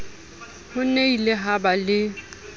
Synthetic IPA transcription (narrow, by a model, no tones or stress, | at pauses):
hʊneilɪɦabalɪ